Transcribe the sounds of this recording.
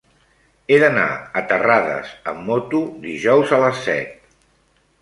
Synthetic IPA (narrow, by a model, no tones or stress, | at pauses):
eðəna̰ət̪əraðə̰zəmːot̪uðiʒɔwzələsːɛ̰t̪̚